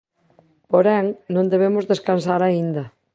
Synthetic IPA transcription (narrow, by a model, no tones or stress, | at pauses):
poɾɛŋnõnd̪eβ̞emʊzðeskansaɾaind̪ɐ